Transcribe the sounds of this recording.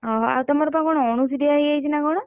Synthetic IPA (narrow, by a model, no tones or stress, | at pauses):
ɦɔa̰wt̪ɔmaɾɔpaɡɔɽ̃ɔɔɽ̃usid̪eaɦiajt͡ʃʰinaɡɔɽ̃ɔ